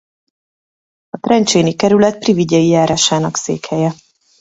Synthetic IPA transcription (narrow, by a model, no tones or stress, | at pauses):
ɒt̪ɾɛnt͡ʃeːnikɛɾylɛt̪̚priviɟɛjijaːɾaːʃaːnɒksḛːkhɛjɛ